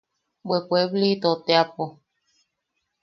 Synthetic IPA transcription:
bwekʷeblit̪ot̪eapo

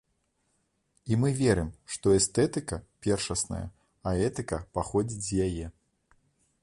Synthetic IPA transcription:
imɨvʲɛɾɨmʂt̪ɔɛst̪ɛt̪ɨkɐpʲɛrʂɐsnɐ̰jɐ̰ | aɛt̪ɨkɐpaxɔd͡zʲid͡zʲzʲjajɛ

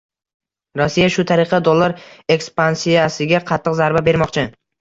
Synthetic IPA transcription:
ɾɒsːijaʃʊt̪ʰaɾɨqʰɑd̪olˠːaɾe̞kspansijasɪɡʲaqʰɑt̪ʰːɨqzaɾbabe̞ɾmɒqt͡ʃʰɪ

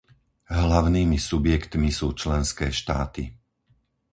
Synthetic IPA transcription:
ɦlaʊniːmisubjɛkt̪misuːt͡ʃlɛnskɛːʃt̪a̰ːt̪i

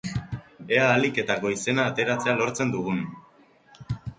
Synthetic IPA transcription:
e̞aːlike̞t̪ako̞ise̞naːt̪e̞ɾat͡se̞alo̞ɾt͡se̞nd̪uɣ̞un

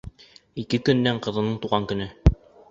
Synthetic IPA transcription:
ikɘkɵ̆nːæɴqɤ̆ðɤ̆nɤɴt̪uʁɑŋkɵ̆nɘ

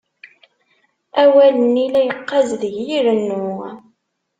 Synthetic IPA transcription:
æwælənilæjəqːɑzðəʝjiɾənːʊ

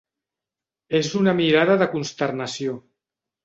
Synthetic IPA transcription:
ezunəmiɾaðəðəkunst̪əɾnəsio

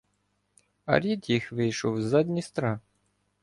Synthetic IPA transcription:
ɐ̰ɾʲid̪jixʋɪjʃɔwzɑd̪ʲnʲist̪ɾɑ

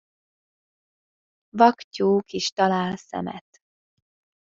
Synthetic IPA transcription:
vɒkcoːkiʃt̪ɒlaːlsɛ̰mɛ̰t̪

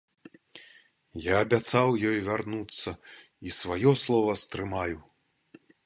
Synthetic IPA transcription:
jaːbʲat̪sawjɔjvʲarnut̪sːɐ | isvajɔslˠɔvɐst̪ɾɨmaju

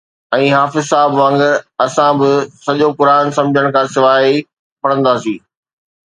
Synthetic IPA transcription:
ɛ̃ːɦaːfɪzsaːbʋɐ̃ŋɡɐsãbɪsɐʄokʊɾaːnsɐ̃md͡ʑʱəɽ̃kʰãːsɪʋaːi | pɐɽ̃ə̃nd̪aːsiː

